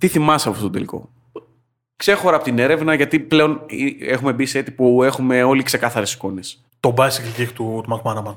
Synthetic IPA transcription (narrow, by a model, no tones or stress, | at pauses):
t̪iθimɐseɐpoft̪ot̪od̪eliko̞̰ | kse̞xo̞ɾɐpo̞t̪ine̞ɾe̞vnɐʝɐt̪iple̞o̞nie̞xume̞biset̪ipue̞xume̞o̞likse̞kɐθɐɾe̞si̥ko̞ne̞s | t̪obɐsicicixt̪ut̪umɐkmɐnɐmɐn